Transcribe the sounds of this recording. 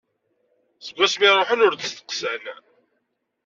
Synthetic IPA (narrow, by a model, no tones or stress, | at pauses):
səɡʷæsmiɾˤoħənʊɾðəst̪ə̥qsæn